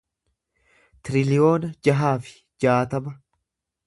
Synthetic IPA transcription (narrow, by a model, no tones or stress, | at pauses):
t̪ɪɾɪlɪjo̞ːnɐd͡ʒɐɦaːfɪ̥ | d͡ʒaːt̪ɐmɐ